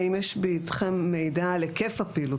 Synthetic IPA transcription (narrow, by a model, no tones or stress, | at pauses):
imjeʃbiit̪χemːejdalekefapilu